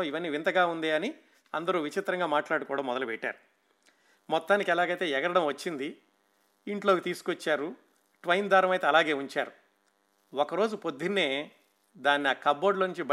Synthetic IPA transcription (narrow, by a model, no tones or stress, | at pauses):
iʋɐnːiːʋint̪ɐɡaːund̪iːɐni | ɐnd̪ɐɾuːʋit͡ʃit̪ɾɐŋɡaːmaːʈlaːɽukɔːɽaːmɔd̪ɐlupɛʈːa̰ːɾu | mɔt̪ːaːnikɐlaːɡɐjt̪e̞ːɛɡɐɾɐɽɐmʋɐt͡ʃːind̪i | iɳʈlo̞ːkit̪iːsu̥kʋɐt͡ʃːaːɾu | ʈʋɐjnd̪ʱaːɾɐmɐjt̪eːɐlaːɡe̞ːuɲt͡ʃaːɾu | ɔkɐɾo̞ːd͡ʒupo̞d̪ʱːinːe̞ː | d̪aːnːiaːkɐbo̞ːɖlɐnːuɲt͡ʃibɐ